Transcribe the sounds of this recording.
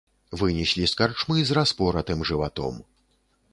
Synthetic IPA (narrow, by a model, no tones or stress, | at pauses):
vɨnʲisʲlʲiskart͡ʂmɨzraspɔɾɐt̪ɨmʐɨvat̪ɔ̰m